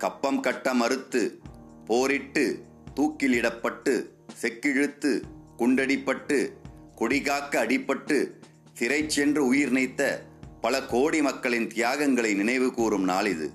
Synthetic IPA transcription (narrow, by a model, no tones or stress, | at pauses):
kɐpːɐmkɐʈːɐmɐɾɯt̪ːɯ | poːɾɪʈːɯ | t̪uːkːɪlɪɽɐpːɐʈːɯ | sɛkːɪɻɯt̪ːɯkʊɳɖɐɽɪpːɐʈːɯ | kʊɽɪɣaːkːɐːɽɪpːɐʈːɯ | t̪ɪɾɐɪt͡ʃːɛndrɐʊjɪɾɪnɐɪt̪ːɐpɐlɐkoːɽimɐkːɐɭɪnt̪ɪjaːɣɐŋɡɐɭɐɪnɪnɐɪʋɯkuːɾɯmnaːlɪðɯ̰